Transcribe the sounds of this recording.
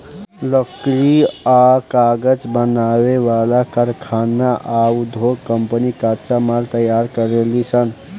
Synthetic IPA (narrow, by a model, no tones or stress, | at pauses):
ləkɾiakaɡəd͡ʒbənaweʋalakəɾkʰanːaʔaud̪ʱoɡkːəmpənikaɾt͡ʃamaɾt̪əjaɾkəɾelisən